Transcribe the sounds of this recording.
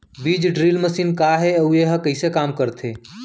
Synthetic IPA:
bid͡ʒɖɾilməsiːnkaɦeueɦəkəɪsekamkəɾt̪ʰe

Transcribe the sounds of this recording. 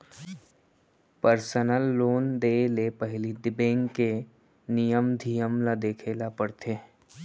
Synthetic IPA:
pəɾsənəlːoːnd̪eːlepəɦlid̪ɪbẽːŋɡke | nijəmd̪ʱijəmlad̪eːkʰeːlapəɽt̪ʰeː

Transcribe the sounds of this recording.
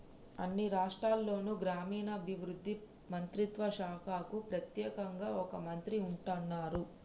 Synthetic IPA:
ɐ̰nːiɾaːʂʈɾaːlːo̞ːnuɡɾaːmiːnɐːbʱiʋɾud̪ʱːi | mɐnt̪ɾit̪ʋɐʃaːkʰaːkupɾɐt̪jɛːkɐŋɡaːɔkɐmɐnt̪ɾiuɳʈɐnːaːɾu

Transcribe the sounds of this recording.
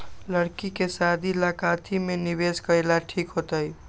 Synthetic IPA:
ləɽkikesad̪ʱilakat̪ʰimeniβeskəjlaʈʰikɦot̪əj

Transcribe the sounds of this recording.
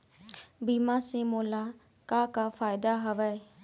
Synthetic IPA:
biːmãːsẽːmoːlaː | kaːkaːfaːɪd̪aːɦəʋɛː

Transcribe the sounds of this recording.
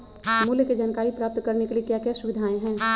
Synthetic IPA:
muljked͡ʒaːnkaːɾipɾaːp̚t̪kəɾnekeliekjakjɛsʊʋɪd̪ʱaːẽɦɛ̃ː

